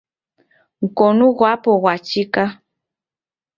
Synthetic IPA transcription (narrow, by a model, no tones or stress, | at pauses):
ŋ̩konuɣwapowat͡ʃika